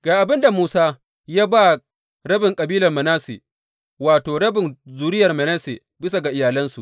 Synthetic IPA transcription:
ɡ̥aː˨ʔa˨bɪ˦nda˨muː˦saː˦ | jaː˦ba˦ | ɽɐ˦bɪ˨ŋkʼɐ˨biː˦lɐ˨rmɐ˨naː˦sḛː˨ | waː˨toː˨ɽɐ˦bɪ˨nzuː˨ɾɪ˦jɐ˨rmɐ˨na˦seː˨ | bɪ˦sa˨ɡa˨ʔɪ˨jaː˨lɐ˦nsu˨ʔ

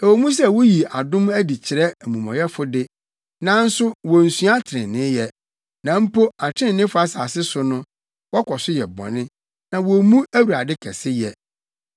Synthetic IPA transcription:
ɛ˨wo˨mũ˦s̬ɛ˦˨wo˦ji˨a˨dʊ̃˦mæ˦di˨t͡ɕʰɪ˨ɾɛ˦æ˨mũ˨mɔ̰̃˨jɛ˦fʊ˦dɪ˦ | nã˨˦n̩˦sʊ˦wɔ˨n̩˨su˦a˦tʰɪ˨ɾɪ̰̃˨nːɪ̃˦jɛ˨ | nã˨m̩˦po˦a˨tʰɪ̃˦˨nɪ̃˦fʊ˦a˦saː˨sɪ˦sʊ˨nʊ̃˦ | wɔ˦kʰɔ˨sʊ˦jɛ˨bɔ̰̃˨nɪ̃˦ | nã˨wo˨mũ˦æ˦wu˨ɾa˨dɪ˦kʰɛ˨sɪ˦jɛ˨

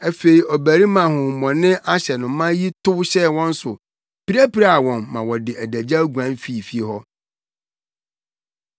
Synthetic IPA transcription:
ɛ˦fe˨i˨ɔ˨bæ˨ɾi˦mã˨hʊ̃˨mɔ̃˨nɪ̃˦ʔa˦ɕɛ˨nʊ̃˨˦mã˦ji˦tʊ˦ɕɛ˦˨wɔ̃˦n̩˦sʊ˨ | pi˦ɾæ˦pi˨ɾa˨wɔ̃˨nːã˨wɔ˨dɪ˨ʔæ˨dæ˨d͡ʑa˦ɡu˨ã˨˦n˦fi˦˨fi˦e˨ɦɔ˦

